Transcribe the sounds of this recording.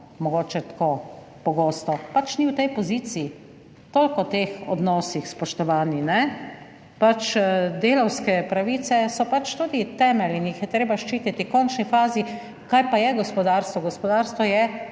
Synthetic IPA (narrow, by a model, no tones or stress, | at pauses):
mɔɡoːt͡ʃɛt̪koː | pɔɡoːst̪ɔpat͡ʃniwt̪ɛjpɔziːt̪siː | t̪oːlkɔt̪eːxɔ̰d̪nɔːsixspɔʃt̪ɔʋaːninɛ | pat͡ʃd̪eːlɔwskɛpɾaʋiːt̪sɛsɔpat͡ʃt̪ud̪it̪ɛːmɛlinjixjɛt̪ɾeːbaʃt͡ʃiːt̪it̪ikɔnt͡ʃnifaːzi | kajpajɛɡɔspɔd̪aːɾst̪ʋɔɡɔspɔd̪aːɾst̪ʋɔjɛ